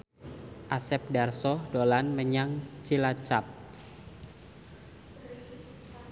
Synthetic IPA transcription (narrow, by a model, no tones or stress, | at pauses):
ʔasɛp̚darsɔhdolanməɲaŋt͡ʃilat͡ʃap̚